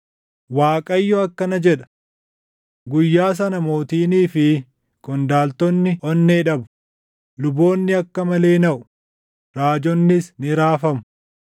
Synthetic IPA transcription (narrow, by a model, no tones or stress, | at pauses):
waːkʼɐjːɔɐkːɐnɐd͡ʒɛᶑɐ̥ | ɡʊjːaːs̬ɐnɐmo̞ːt̪iːniːfɪ | kʼɔnd̪aːlt̪ɔnːɪʔɔnːeːᶑɐbʊ̥ | lʊbo̞ːnːɪɐkːɐmɐle̞ːnɐʔʊ | ɾaːd͡ʒɔnːɪsnɪɾaːfɐmʊ̥